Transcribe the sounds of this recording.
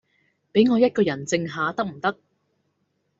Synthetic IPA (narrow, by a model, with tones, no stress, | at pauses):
pe˨˥jŋɔː˨˧jɐ˥t̚kɔː˧jɐ˨˩nt͡sɪ˧ŋɦaː˨˧t̪ɐ˥k̚m̩˨˩t̪ɐ˥k̚